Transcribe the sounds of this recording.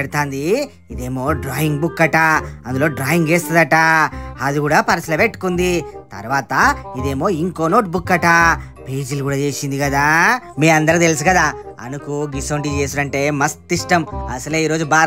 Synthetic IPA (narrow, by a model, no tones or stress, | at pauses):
eɽt̪aːnd̪i | id̪eːmo̞ːɖɾaːjiŋɡbukːɐʈaːɐnd̪ulo̞ːɖɾaːjiŋɡeːst̪ɐd̪ɐʈaːɐd̪uɡuːɽaːpɐɾɐslɐʋeʈːkund̪it̪ɐ̰ɾʋaːt̪ɐid̪e̞ːmo̞ːiŋko̞ːnoːʈ̚bukːɐʈaː | peːd͡ʒiluɡuːɽaːt͡ʃe̞ːsind̪ikɐd̪aːmeːɐnd̪ɐɾkt̪e̞lis̬ikɐd̪aːɐ̰nukuɡisoːɳʈit͡ʃe̞ːsuɽɐɳʈe̞ːmɐst̪ːiʂʈɐmɐsɐluiːɾo̞ːd͡ʒubaː